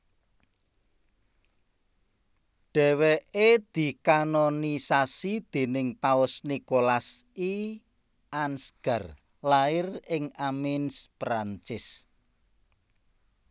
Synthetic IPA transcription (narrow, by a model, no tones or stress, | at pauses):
ɖ̥ɛ̤weʔed̪̥i̤kanonisasid̪̥e̤nɪŋpaʊsnikolasi | ʔansɡ̥a̤r | laɪrɪŋamɪnspɾant͡ʃɪs